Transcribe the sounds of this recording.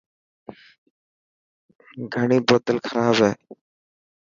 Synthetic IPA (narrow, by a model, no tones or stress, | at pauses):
ɡʱəɳiːboːt̪əlkʰəɾaːbɦɛː